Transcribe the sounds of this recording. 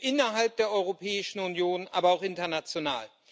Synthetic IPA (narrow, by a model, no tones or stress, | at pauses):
ʔɪnɐɦalp̚d̥eːɐʔɔʏʁopʰɛːɪʃn̩ʊnjoːnʔʔa̰ːbɐaʊxʔɪntɐnat͡sjona̰ːl